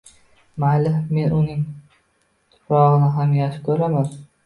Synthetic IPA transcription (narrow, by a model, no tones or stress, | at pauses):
malɪme̞nʊnɪŋ | t̪ʰʊ̥pʰɾɒʁɨnɪɦamjaʃɪ̥p̚kʰɵɾaman